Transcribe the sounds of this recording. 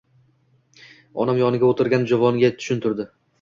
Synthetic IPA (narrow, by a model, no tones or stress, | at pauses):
ɒ̰namjɒnɪɡʲaot̪ʰɪɾɡʲand͡ʒavɒnɡʲat̪ʰʊ̥ʃɪnt̪ʰʊɾd̪ɪ